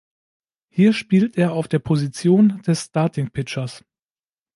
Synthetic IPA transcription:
hiːɐʃpiːltʔeːɐaʊfd̥eːɐpʰozit͡sjoːnd̥ɛsːtaɐtʰɪŋpʰɪt͡ʃɐs

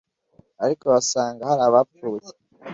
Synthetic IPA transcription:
aɾiko̞βasaːŋɡahaɾaβap͡fuːje̥

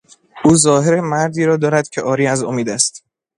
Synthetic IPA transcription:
ʔuːzɒːheɾemæɾd̪iːɾɒːd̪ɒːɾæd̪̥̚cʰeʔɒːɾiːæzomiːd̪æst̪

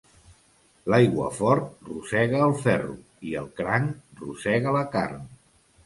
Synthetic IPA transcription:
lajɣwə̰fɔɾt̪̚rusɛɣəːlˠfɛrṵ | iəlˠkɾaŋrṵsɛɣələka̰rn

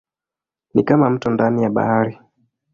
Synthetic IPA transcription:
nikamam̩tundanijaɓa̰haɾi

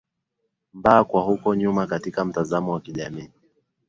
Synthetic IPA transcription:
mbaːkwahukɔɲumakatikam̩tazamɔwakiʄamiː

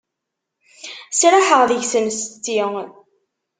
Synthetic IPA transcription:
sɾaħəʁðəʝsəmst̪ːi

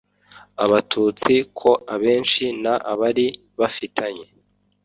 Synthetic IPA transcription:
aβatʰut͡sikʰo̞ʔaβe̞ːnʃinaʔaβaɾi | βafitʰaɲe̞

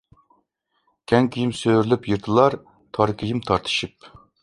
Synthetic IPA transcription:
kʲʰɛŋkʲʰijimsøɾlypjiɾt̪ʰɨlˠɑɾ | t̪ʰɑɾkʲʰijimt̪ʰɑɾt̪ʰɨ̥ʃip̚

